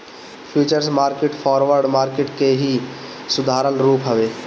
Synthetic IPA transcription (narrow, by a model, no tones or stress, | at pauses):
pʰuːt͡ʃəɾsmaːɾkɪʈpʰɔːɾʋəɾɖmaːɾkɪʈkeɦi | sʊd̪ʱaːɾəlɾuːpɦɐʋeː